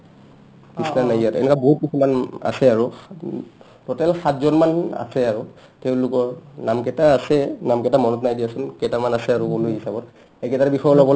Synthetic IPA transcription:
kisnanajjatɛ̰nɛkaboɦut̚busumana̰sɛaɹu | tɔtɛlxatzɔnmana̰sɛaɹʊ | tɛʊ̃lʊkɔɹnamkɛtaːsɛnamkɛtamɔnɔtnajdiasunkɛtamanasɛaɹukulujɦisabɔt | ɛkɛtabixɔjɔlɔbɔl

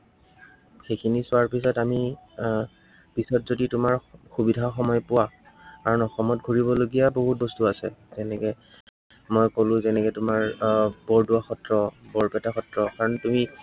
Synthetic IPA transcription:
xejkʰinisʊaɹpis̬ɔtami | pisɔtzoditʊmaɹxubidʱaxɔmɔjpʊwa | kaɹɔnɔxɔmɔtɡʱoɹibɔloɡijaboɦut̚bɔstuasɛzɛnɛkɛ | mɔjkolʊ̃zɛnɛkɛtʊmaɹbɔɹdʊwaxɔtɹɔbɔɹpɛtaxɔtɹɔkaɹɔntumi

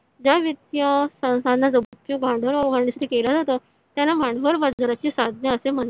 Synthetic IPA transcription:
d͡ʑaʋit̪jəsə̃w̃sad̪nad͡zəbət̪ːjũɡʱãɳɖəɾɡʱəɾɳasaʈ̪ʰiːkelad͡zat̪ə | t̪janamʱãɳɖʋəɾʋad͡zəɾat͡ɕiːsad̪ʱnjəəsem̤ən

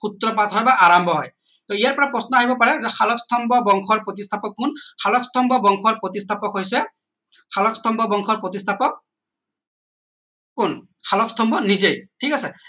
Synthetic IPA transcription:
kut̪ɾɔpat̪ɦɔjbaʔaɹambʱɔɦɔjt̪ɔijaɹpɔɹapɹɔsnɔaɦibɔpaɹɛzɛxalɔkst̪ʰɔmbʱɔbɔŋkʰɔɹpɹɔt̪ist̪ʰapɔkːunxalɔkst̪ʰɔmbʱɔbɔŋkʰɔɹpɹɔt̪ist̪ʰapɔkɦojsɛ | xalɔkst̪ʰɔmbʱɔbɔŋkʰɔɹpɹɔt̪ist̪ʰapɔk̚ | kun | xalɔkst̪ʰɔmbʱɔnizejʈʰikasɛ

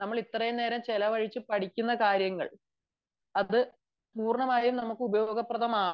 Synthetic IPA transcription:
nɐmːɐɭit̪ːrɐjune̞ːɾɐmt͡ɕelɐʋɐɻit͡ɕːɨpɐʈikʲːunːɐkaːɾjɐŋːɐ̰ɭ | ɐðɨ | puːrɳɐmaːjɐjumnɐmukːɨubɐjo̞ːɡɐprɐðɐmaː

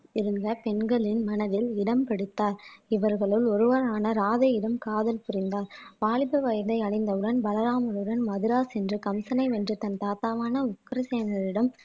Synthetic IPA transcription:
ɪɾɯnd̪ɐpɛɳɡɐɭɪnmɐnɐðɪlɪɽɐmpɐɽɯt̪ːaːɾɪʋɐɾɣɐɭɯlɔɾɯʋɐɾaːnɐɾaːðɐjɪɽɐmkaːðɐlpʊɾɪnd̪aːɾʋaːɭɪpɐʋɐjɐðɐɪɐɳɐɪnd̪ɐɯɽɐnbɐlɐɾaːmɐɾɯɽɐnmɐðɪɾaːsɛndrɯkɐmsɐnɐɪʋɛndrɯt̪ɐnt̪aːt̪aːʋaːnɐʊkːɾɐseːnɐɾɪɽɐm

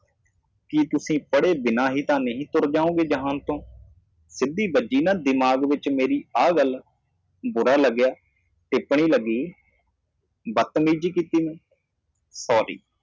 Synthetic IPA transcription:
kit̪ʊsĩːpəɽeːbɪnaːɦiːt̪ãːnəɦĩːt̪ʊɾd͡ʒãːõːɡeːd͡ʒəɦãːnt̪õː | sɪd̪iːbəd͡ʒiːnãːd̪ɪmaːɡʋɪt͡ʃmeːɾiːaːɡəl | bʊɾaːləɡːɪjaː | ʈɪpɳiːləɡːiː | bət̪miːd͡ʒiːkiːt̪iːmɛ̃ː | sɔːɾḭː

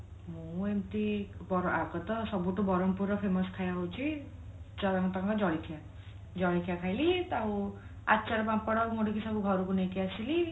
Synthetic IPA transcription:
mũemt̪ibɔɾɔaɡɔt̪ɔsɔbuʈubɔɾɔmpuɾɔpʰemɔskʰajabɔwt͡ʃʰi | t͡ʃɔɾaŋt̪aŋkɔd͡ʒɔɭikʰija | d͡ʒɔɭikʰijakʰajlit̪aw̃ | a̰tːt͡ʃaɾɔbapɔɽɔmoʈikisɔkuɡʱɔɾukunet̪iasili

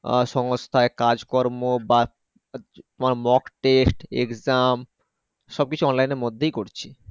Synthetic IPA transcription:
ʃɔŋost̪ʰaekad͡ʑkoɾmoba | t̪omaɾmɔkʈesʈḛkzam | ʃɔb̚kit͡ɕʰuɔnlajneɾmod̪ʱːejkoɾt͡ɕʰi

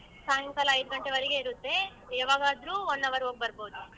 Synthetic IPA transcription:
saŋkɐlɐɐjd̪uɡɐɳʈeʋɐɾiɡe̞iɾut̪ːe̞ | ɛʋaːɡaːd̪ɾuɔnːɐʋɐɾoːɡ̚bɐɾboud̪u

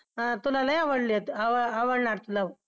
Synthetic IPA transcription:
t̪ulalajaʋəɽliet̪aʋəaʋəɽɳaɾt̪ula

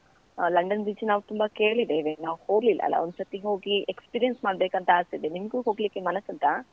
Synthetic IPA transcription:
lɐɳɖɐnd̪it͡ʃinaːʋut̪umbɐke̞ːɭid̪eːʋenaːʋhoːɾlilːʔɐ̰ɐ̰lːa̰ond̪usɐt̪iɦoːɡiekspiːɾijɐnsmaːɽbeːkɐnt̪ɐaːst̪id̪enimɐɡuɦoːɡliːkːemɐnɐsɐnt̪a

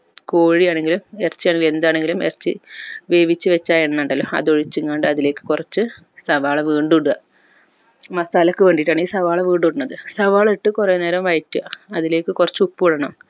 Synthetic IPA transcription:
ko̞ːɻijaːɳe̞ŋɡilumert͡ɕːijaːɳeŋɡile̞nd̪aːɳe̞ŋɡilumert͡ɕːḭʋe̞ːʋit͡ɕːɨʋet͡ɕːaːjenːɐɳɖɐlːo̰ɐ̰ðoɻit͡ɕːɨŋkaːɳɖɨɐðile̞ːkːɨ̥kurɐt͡ɕːɨ | sɐʋaːɭɐʋiːɳɖuɽuɣɐ | mɐsaːlɐkːɨʋe̞ːɳɖiʈːaːɳiːsɐʋaːɭɐʋiːɳɖuɽunːɐðɨsɐʋaːɭiʈːɨkureːne̞ːɾɐmʋɐjtːuɐ̰ɐðile̞ːkːɨkurɐt͡ɕːupːuuɽɐɳɐm

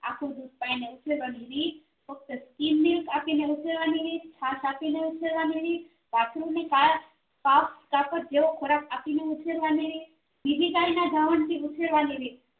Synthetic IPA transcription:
a̰ːkʰod̪ut̪̚paːineut͡ʃʰeɾʋaniɾi | fək̚t̪əskimːilkapineut͡ʃʰeɾʋaniʋit͡ʃʰaːsaːpineut͡ʃʰeɾʋaːniɾi | pat̪ʰɾuneka | paːpskapəɾd͡ʒeʋokʰoɾakapineʊt͡ʃʰeɾʋaniɾi | bibʱikainad̪ʱaʋəɳt̪iʊt͡ʃʰeɾʋaniɾi

